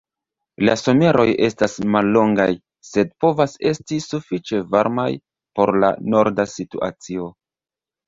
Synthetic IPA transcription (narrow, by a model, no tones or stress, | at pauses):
la̰so̞me̞ɾʔo̞je̞stasmalːo̞ŋɡaj | se̞d̚po̞vase̞stisufit͡ʃe̞vaɾmaj | po̞ɾla̰no̞ɾdasituʔa̰t͡sio̞